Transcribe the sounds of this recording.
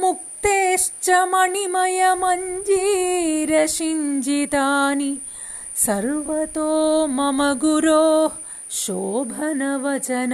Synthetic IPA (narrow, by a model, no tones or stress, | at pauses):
muk̚t̪eːʂt͡ʃɐmɐɳimɐjɐmɐɲd͡ʒiːɾɐʃiɲd͡ʒit̪aːni | sɐɾʋɐt̪oːmɐmɐɡuɾoː | ʃoːbʱɐnɐʋɐt͡ʃɐnɐ